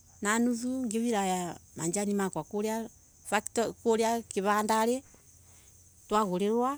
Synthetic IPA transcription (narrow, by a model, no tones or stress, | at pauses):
nanuðuŋɡeβiɾajamaɲd͡ʒanimakwakoɾea | faktɔkoɾeakeβaːndaɾe | twaɣoɾeɾwa